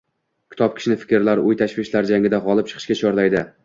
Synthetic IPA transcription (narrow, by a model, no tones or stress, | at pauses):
kʲʰɪ̥t̪ʰɒp̚kʲʰɪ̥ʃɪnɪfɪ̥kʲɾlaɾʊjt̪ʰaʃvɪʃlaɾd͡ʒaŋʲɪd̪aʁɒlˠɪp̚t͡ʃʰɨ̥qʰɨ̥ʃkʲat͡ʃʰɒɾlajd̪ɪ